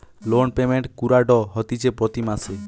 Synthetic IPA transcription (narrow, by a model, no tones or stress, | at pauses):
lonpemeɳʈkuɾaɖɔɦɔt̪it͡ʃʰepɾɔt̪imase